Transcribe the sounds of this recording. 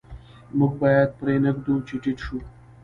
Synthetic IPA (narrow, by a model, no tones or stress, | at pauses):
muɡ̚bɑjad̪̚pɾenəkd̪ut͡ʃeʈiʈʃu